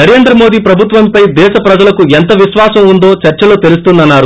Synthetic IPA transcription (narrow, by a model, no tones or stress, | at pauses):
nɐɾe̞ːnd̪ɾɐmo̞ːd̪iːpɾɐbʱut̪ʋɐmpɐjd̪ɛːʃɐpɾɐd͡ʒɐlɐkuent̪ɐʋiʃʋaːsɐmund̪o̞ːt͡ʃɐɾt͡ʃɐloːt̪elus̬t̪und̪ɐnːaːɾu